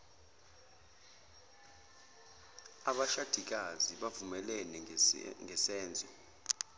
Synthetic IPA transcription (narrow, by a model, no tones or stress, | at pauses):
aɓaʃad̥ʱik̬ʼaziɓavumɛlɛnɛŋɛsɛːnd͡zʱɔ